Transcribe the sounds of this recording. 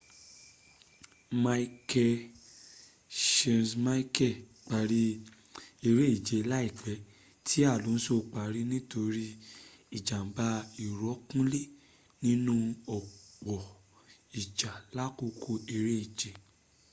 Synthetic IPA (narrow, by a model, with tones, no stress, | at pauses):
ma˦i˦kɛ˧ | ʃɛ̃˧nsma˦i˦kɛ˦˨ | k͡pa˨ɾi˧˦ | e˧ɾe˦i˦˨d͡ʒe˨˦la˦i˦˨k͡pɛ˨˦ | tʰi˦a˦˨lõ˨˦n̩˦so˦˨˧k͡pa˨ɾi˦nĩ˦to˧ɾi˦i˨d͡ʒa˨m̩˨ba˧˦i˨ɾɔ˨˦kũ˦le˦˨ | nĩ˦nũ˦ɔ˨k͡pɔ˨ | i˨d͡ʒa˨la˦ko˧kʰo˧e˧ɾe˦i˦˨d͡ʒe˨˦